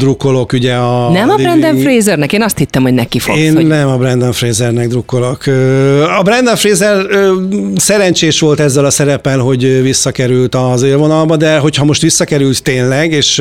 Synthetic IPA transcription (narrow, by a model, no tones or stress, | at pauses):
d̪rukːo̞lo̞kyɟɛɒnɛmɒɾɛnd̪ɛɱfreːzɛrnɛkeːnɒst̪hit̪ːɛmho̞ɟnɛkifo̰eːnnːɛmɒbɾɛnd̪ɛɱfreːzɛrnɛɡ̚d̪rukːo̞lo̞køɒbɾɛnd̪ɛɱfreːzɛrøːsɛɾɛnt͡ʃeːʃʋo̞lt̪ɛzːɛlɒsɛɾɛpɛlɦo̞ɟvisːɒkɛɾylt̪ɒzeːrvo̞nɒlbɒd̪ɛɦo̞chɒmo̞ʃt̪ʋisːɒkɛɾylt̪ːeːnlɛɡeːʃ